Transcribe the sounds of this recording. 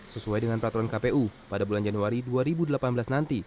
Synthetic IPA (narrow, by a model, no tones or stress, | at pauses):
səsuajdəŋanpɾat̪uɾɔnkapeʔupadabuland͡ʒanuaɾiduaɾibudəlapanbəlasnant̪i